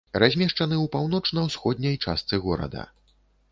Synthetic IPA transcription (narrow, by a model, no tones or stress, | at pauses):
razʲmʲɛʂt͡ʂɐnɨwpawn̪ɔt͡ʂnɐwsxɔd̪ʲnʲɐjt͡ʂa̰st̪sɨɣɔɾɐ̰d̪ɐ̰